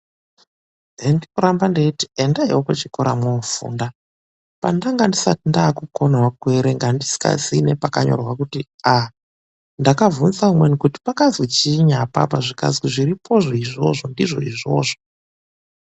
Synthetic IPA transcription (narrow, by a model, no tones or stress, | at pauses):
ɦendinoɾambandeitiendaiwokot͡ʃikoɾa̰mwoufṵːnda | pa̰ndaŋɡandisatindaːkuko̞nwakweɾeŋɡandisi̥ka̰zinepaka̰ɲo̰rwakuti | a | ndakavunsaumwenikuti̥pakazwit͡ʃiɲapa̰paʐika̰zwiʐiɾipʰo̞ʐoiʐo̞ʐondiʐo̞̰iʐo̞̰ːʐo